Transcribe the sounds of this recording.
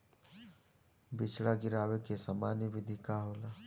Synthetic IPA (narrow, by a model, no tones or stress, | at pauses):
bɪt͡ʃɽaɡɪɾaːwekesamaːnjibɪd̪ʱikaɦoːlaː